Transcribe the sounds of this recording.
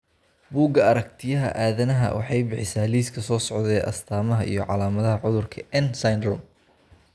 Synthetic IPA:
buːɡɐɐɾɐk̚t̪ʰɪjɐɦɐ̰ʔaːðɐnɐɦɐ̰wʔɑ̰ħɑjbɪħɪsaːliːskʰɐsɔːsɔʕðɛːʔɐ̰st̪ʰaːmɐɦɐʔijɞʕɑlaːmɐðɐɦɐʕʊðʊrkʰɐɛnsɐjnrʊm

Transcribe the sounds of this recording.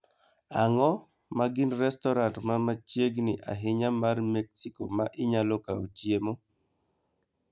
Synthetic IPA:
aŋɔ | maɡɪnrɛstɔɾantmamat͡ʃjeɡnɪʔa̰ɦɪɲamarmɛksikomaʔɪɲalɔkaot͡ʃjemo

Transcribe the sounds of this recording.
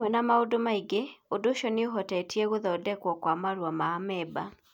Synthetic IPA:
ɛnamaodomaiɡeodoʃɔneoɦɔtɛtiɛɣoðɔdɛkwɔkwamaɾwamaːmɛba

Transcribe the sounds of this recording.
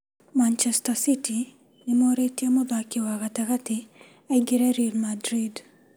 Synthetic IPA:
mant͡ʃɛstasiti | nɪmɔɾeitjemɔd̪akɪwakatakatɪ | aɡiɾɛɾilmadɾid

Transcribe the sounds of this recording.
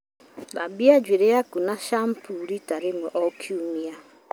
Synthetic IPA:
labiad͡ʒwiɾejakunaʃampuɾitaɾimuʔɔkʰjumia

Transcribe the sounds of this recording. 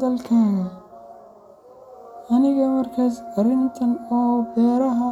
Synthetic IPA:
ðɐlkʰaːɣɐ | ʔɐnɪɣɐmɐrkʰaːsɐrɪnt̪ʰɐnɔːbɛːɾɐɦɔ

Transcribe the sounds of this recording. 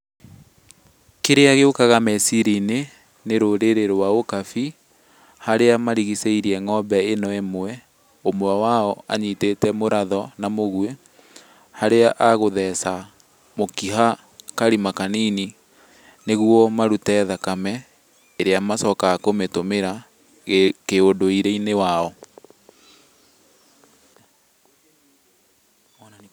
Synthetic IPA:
keɾeaɣeokaɣamɛsiɾine | neɾoɾeɾeɾowaokafi | haɾeamaɾiɣiseiɾiɛŋɔbɛenɔɛmowɛ | omoawaɔa̰ɲitetɛmoɾaðɔnamoɣue | haɾeaʔaɣoðɛsa | mokiɦa | kaɾimakaniːni | neɣwɔmaɾutɛðakamɛ | eɾeamasɔkaakometomeɾa | keondoiɾeinewaɔ

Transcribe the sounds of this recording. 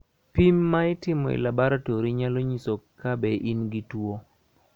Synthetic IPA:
pimːaɪtɪmɔḭlabaɾatoɾiɲaloɲisokːabɛʔinɡitwo

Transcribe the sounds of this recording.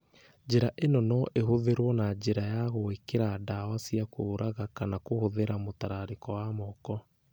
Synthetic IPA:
d͡ʑeɾaʔenɔnɔʔeɦoðeɾwɔnad͡ʑeɾajaɣoekeɾadawasiakoːɾʔaɣakanakohoðeɾamotaɾaɾekɔwamɔkɔ

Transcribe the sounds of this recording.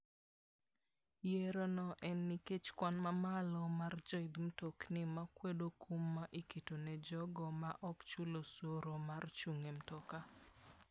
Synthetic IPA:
jeɾonɔʔɛnːiket͡ʃkwanmamalɔmard͡ʒɔɪd̪m̩toknɪmakwedokʰumːaʔikitonɛd͡ʒɔɡɔmaʔɔkt͡ʃulosoɾomart͡ʃuŋem̩toka

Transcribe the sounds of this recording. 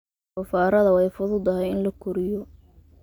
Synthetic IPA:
ʊfaːɾɐðɐwɛjfʊðʊd̪ɐɦɛjɪnlɐkʰʊɾɪjɔ

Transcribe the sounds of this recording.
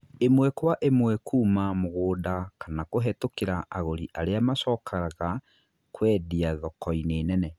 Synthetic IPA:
emwɛkwaʔemwɛkʰuːmamoɣoːdakanakoɦɛtokeɾaʔaɣoɾiʔaɾeamaʃɔkʰaɾaɣa | kwɛdiaðɔkɔineːnɛnɛ

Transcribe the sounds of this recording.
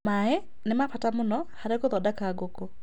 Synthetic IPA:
maɛ | nemapatamʊnɔhaɾekoðɔdakaɡoko

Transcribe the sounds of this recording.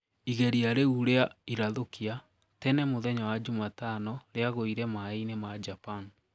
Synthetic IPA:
iɣɛɾiaɾeuɾeaiɾaðokia | tɛnɛmoðɛɲawad͡ʑumatanɔɾeaɣoiɾɛmainemad͡ʑapan

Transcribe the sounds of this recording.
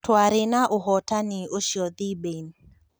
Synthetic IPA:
twaɾɪnaʔʊɦɔtanɪoʃjɔd̪iben

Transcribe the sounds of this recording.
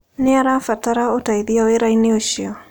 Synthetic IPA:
nɪaɾafataɾaotaiðiaweɾainioʃiɔ

